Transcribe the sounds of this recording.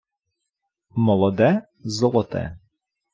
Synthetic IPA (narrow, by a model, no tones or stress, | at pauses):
mɔlˠɔd̪ɛ | zɔlˠɔt̪ɛ̰